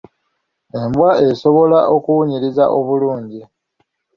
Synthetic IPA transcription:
e̞mbwae̞so̞βo̞laʔo̞kuwuɲiɾiza̰ʔo̞βuluːɲɟi

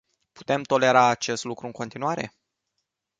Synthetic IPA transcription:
pu̥t̪e̞mt̪o̞le̞ɾaːt͡ʃe̞st̪lukɾuɨŋko̞nt̪inuaɾe̞̰

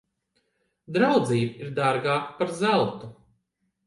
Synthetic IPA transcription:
d̪ɾawd̪ziːbiɾd̪aɾɡaːkpaɾzælˠt̪u

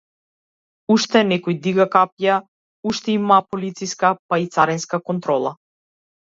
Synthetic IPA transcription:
uʃt̪ɛnɛkɔjd̪iɡakapja | uʃt̪ɛimapɔlit̪siskapait̪saɾɛnskakɔnt̪ɾɔlˠa̰

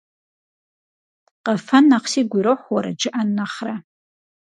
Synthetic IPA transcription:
qʼafanːaqʰsiɡʷiɾɨħʷwaɾa̰d͡ʒɨʔanːaχra

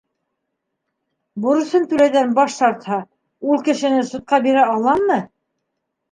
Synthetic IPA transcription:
bŏɾɤ̆sɤnt̪ʉlæjðænbɑʃt̪ɑɾt̪hɑ | ulˠkɘ̆ʃɘ̆nɘsŭt̪̚qɑbiɾæɑlˠɑmːɤ

